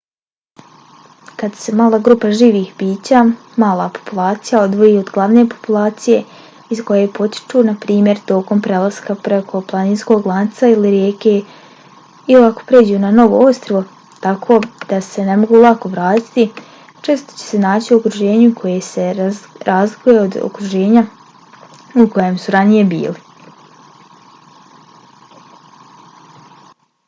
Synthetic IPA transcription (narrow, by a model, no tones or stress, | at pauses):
kad̪se̞maːlˠaːɡɾuːpaʒiːʋiːxbiːt͡ɕaː | maːlˠapo̞̥pulˠaːt̪sijao̞d̪ʋo̞jiod̪ɡlˠaʋnepo̞̥pulˠaːt̪sije̞ | izko̞je̞po̞t̪i̥t͡ʃunapɾiːmje̞ɾt̪o̞ko̞mpɾe̞lˠaz̥kapɾe̞kʰo̞plˠaniːnsko̞ɡlˠant̪sailiɾjeːke̞ | ilako̥pɾe̞ːd͡ʑunano̞ʋo̰o̞st̪ɾoʋo | t̪akʰo̞ːd̪̥ase̞ne̞mo̞ɡuːlˠako̞ʋɾaːt̪i̥t̪i | t͡ʃe̞ːst̪o̞̥t͡ɕe̥se̞naːt͡ɕiuokɾuʒe̞ːɲukʰo̞jese̞ɾaːzlikuje̞od̪o̰kɾuʒe̞ːɲa | uko̞jemsuɾanije̞bḭːli